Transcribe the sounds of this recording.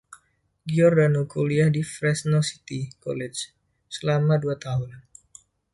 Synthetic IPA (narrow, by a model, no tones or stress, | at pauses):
ɡiɔrdanukʰoliahdifɾɛsnosi̥t̪ikɔ̰lɛd͡ʒ | səlamaduat̪aɦun